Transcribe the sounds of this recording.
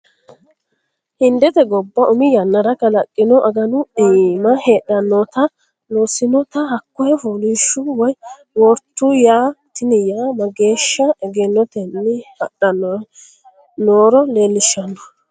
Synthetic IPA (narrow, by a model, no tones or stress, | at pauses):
hɪnd̪ɛt̪ɛɡɔbːɐʔʊmɪjɐnːɐɾɐkɐlɐkʼːɪnɔʔɐɡɐnʊemɐheːɗɐnːɔt̪ɐ | loːsɪnɔt̪ɐhɐkːɔjɛfulɪʃːʊwɔj | wɔɾt̪ːʊjaːt̪ɪnɪjaːmɐɡe̞ːʃːɐɛɡɛnːɔt̪ɛnːɪhɐ̰ɗɐnːɔ | noːɾɔleːlːɪʃːɐnːɔ